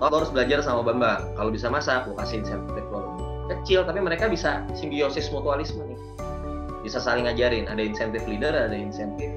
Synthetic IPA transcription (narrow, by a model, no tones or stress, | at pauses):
kalohaɾʊsbəlad͡ʒarsamabambakalobisamasakokasiinsɛnt̪t̪ɛfkoloɡi | kət͡ʃɪlt̪apiməɾekabisasimbiosɪsmot̪ualismanɪ | bisasalɪŋad͡ʒaɾɪnadainsɛnt̪ɪflidəradainsɛnt̪ɪf